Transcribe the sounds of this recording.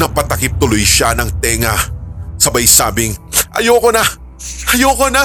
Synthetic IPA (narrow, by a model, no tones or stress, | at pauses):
nɐpɐt̪ɐkɪp̚t̪ʊlojʃanɐŋt̪ɛːŋɐsɐbɐjsaːbɪŋʔɐ̰jokonɐ | ʔɐjokonɐ